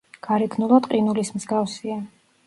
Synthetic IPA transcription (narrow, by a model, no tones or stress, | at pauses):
ɡ̥aɾɛkʰnulˠad̪qʼinulismz̥ɡafsia